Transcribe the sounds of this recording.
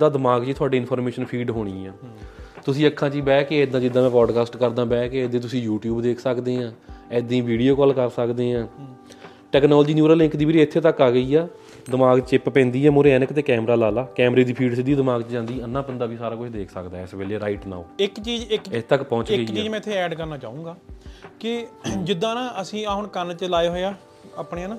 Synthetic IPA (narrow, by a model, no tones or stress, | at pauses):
d̪aːd̪ɪmaːɡt͡ʃiːt̪ʰʊaːɖiːnpʰɔːɾmeːʃənpʰiːɖɦoːɽ̃iːɛːt̪ʊsĩːəkʰːãːt͡ʃiːbɛːkeːd̪ãːd͡ʒɪd̪ːãːmɛ̃ːpɾɔːɖkaːsʈkəɾd̪ãːbɛːkeːd̪ẽːt̪ʊsĩːjuːʈjuːbd̪eːkʰsəkd̪eːãːɛːd̪ĩːʋiːɖijoːkɔːlkəɾsəkd̪eːɦãː | ʈɛːknɔːld͡ʒiːnjuːɾəlɪ̃ŋkd̪iːiːɾɪt̪ʰːeːt̪əkːaːɡəiːɛː | d̪ɪmaːɡt͡ʃɪppɛ̃ːnd̪iːɛːmʊɾeɛːnəkt̪eːkɛːmɾaːlaːlaːkɛːmɾeːd̪iːpʰiːɖsɪd̪iːd̪ɪmaːɡt͡ʃd͡ʒãːnd̪iːənːãːpənd̪aːbiːsaːɾaːkʊt͡ʃʰd̪eːkʰsəkd̪aːɪsbeːleːɾaːɪʈna̰ːoːɪkt͡ʃiːd͡ʒɪkɪt̪əkpɔ̃ːt͡ʃɪɡkiːt͡ʃiːd͡ʒmɛ̃ːɪt̪ʰːeːɛːɖkəɾnaːt͡ʃaːũːŋɡaːkɪd͡ʒɪd̪ãːnãːʔəsĩːaːɦʊɳkənt͡ʃəlaːeɦoːaː | aːpneãːnaː